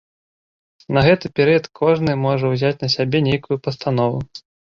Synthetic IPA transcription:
nɐɣɛt̪ɨpʲɛɾɨjɐt̪kʰɔʐnɨmɔʐɐwzʲat͡sʲnɐsʲabʲɛnʲejkujupɐst̪anɔvu

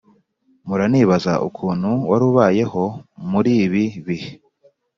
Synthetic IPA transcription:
muɾaniːβaza̰ʔṵkʰuːn̥huwaɾuβaːje̞ho̞muɾiːβiβih

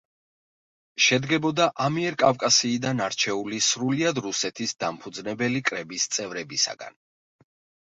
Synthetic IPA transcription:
ʃɛd̪ɡɛbɔd̪aʔamiɛɾkʼavkʼasiːd̪anaɾt͡ʃʰɛulisɾuliad̪ɾusɛt̪ʰisd̪ampʰud̪znɛbɛlikʼɾɛbist̪sʼɛvɾɛbisa̰ɡ̥a̰n

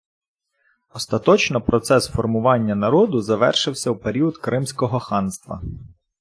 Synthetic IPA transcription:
ɔst̪ɐt̪ɔt͡ʃnɔpɾɔt̪sɛsfɔrmʊʋɑnʲːɐnɐɾɔd̪ʊzɐʋɛ̰rʃɪwsʲɐwpeɾʲiʊd̪kɾɪmsʲkɔɦɔxɑnst̪ʋɐ̰

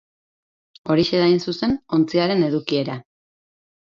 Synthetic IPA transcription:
o̞ɾiʃe̞ðainsuse̞no̞nt͡siaɾe̞ne̞ðukie̞ɾa

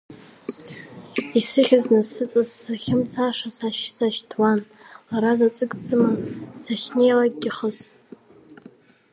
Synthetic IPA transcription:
isɨχʲaznazsɨt͡sʼazːaχʲɪmt͡sʰaʂasaʃsaʃtʰwan | laɾazat͡sʷʼɨkʼt͡sʰɨmasaχʲne̞jlaɡɡʲiχəs

